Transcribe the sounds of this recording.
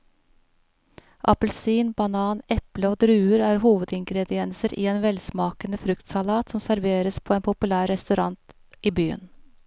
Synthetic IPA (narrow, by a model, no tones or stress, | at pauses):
ʔɑ̰pəlsiːnbɑnɑːnɛpləoːd̪ɾʉːəɾæːɾhuːʋəd̪ɪŋɡɾɛd̪ɪɛnsəɾʔḭːeːnʋɛlsmɑːkənəfɾʉkt̪sɑlɑːt̪sɔmsæɾʋeːɾəspʰoːeːnpʰʊpʉlæːɾɛst̪ʉɾɑnt̪ | ʔiːbyːə̰n